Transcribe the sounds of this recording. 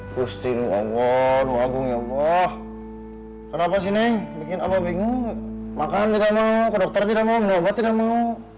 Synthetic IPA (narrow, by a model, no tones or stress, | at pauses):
kust̪inua̰ɡɔnuaɡuŋjabah | kənapas̬inɛbikinababiŋuŋmakant̪idamaukɔdɔk̚t̪ɔrt̪idamauminuɔbat̪idamau